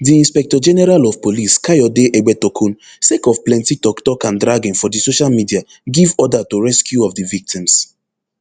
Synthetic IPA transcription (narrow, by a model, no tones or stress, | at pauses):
diĩnspɛk̚tɔd͡ʒɛnɛɾalɔvpoliskajɔdeʔeɡ͡bɛtɔkʰũn | sekɔvplɛ̃ntitɔktɔkãndɾaɡĩnfɔdisoʃalmidia | ɡivɔdatoɹɛskjuɔvdivik̚tĩms